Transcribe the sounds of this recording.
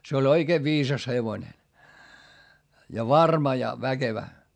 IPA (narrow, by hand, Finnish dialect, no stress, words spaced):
se olʲ oikeː ʋiːsɑs heʋonʲe jɑ ʋɑrmɑ jɑ ʋækeʋæ